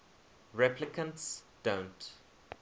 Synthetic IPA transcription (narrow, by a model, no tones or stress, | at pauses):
ɹɛplɪkʰə̃nts | d̥õʊ̃nt